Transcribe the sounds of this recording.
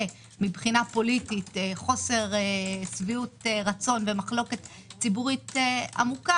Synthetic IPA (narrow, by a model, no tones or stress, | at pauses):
mibχinapo̞lititeχo̞se̞ʁesviutʁat͡so̞nve̞maχlo̞ke̞t | t͡sibuʁitea̰muka